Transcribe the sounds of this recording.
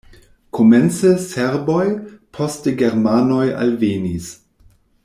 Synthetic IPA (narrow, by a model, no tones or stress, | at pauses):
kʰoment͡səseɾbojpʰo̞stəɡeɾmano̞ja̰lvenis